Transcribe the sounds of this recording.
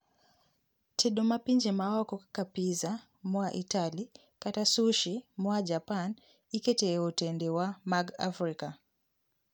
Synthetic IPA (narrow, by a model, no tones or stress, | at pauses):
tʰɛɗɔmapiɲd͡ʒɛmawakɔkakapiza | mwaʔitali | katasuʃimwad͡ʒapan | ikɛtɛːutɛndɛwamaɡa̰fɾika